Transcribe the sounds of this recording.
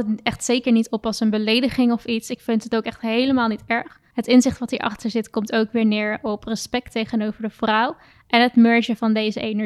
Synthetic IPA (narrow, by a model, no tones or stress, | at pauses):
ɛχtsejkəɹnitɔpɑsənbəlejdəχɪŋɔfitsɪkfɪntətowkɛχtɦejləmaːlˠnitɛɹχ | ɦətɪnzɪχtʋɑtiʔɑ̰χtəɹzɪtkɔmtowkʋɪːɹnɪːɹɔprəspɛk̚tejχənowvəɹdəv̥rʌw | ʔɛnətmœɹʒəvɑndejzəʔejnə